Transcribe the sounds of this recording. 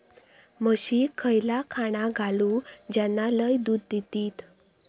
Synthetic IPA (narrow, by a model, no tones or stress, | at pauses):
məɕikʰəjlakʰaɽ̃aɡʱalud͡ʑjanːaləjd̪uːd̪̚d̪it̪iːt̪